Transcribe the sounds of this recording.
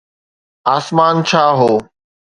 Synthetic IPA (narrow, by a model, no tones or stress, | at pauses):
aːsmaːnt͡ʃʰaːɦoː